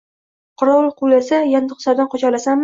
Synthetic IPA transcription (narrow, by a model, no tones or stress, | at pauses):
qʰʊɾɒlˠqʰulasajand̪ʊqsaɾd̪anqʰot͡ʃalasam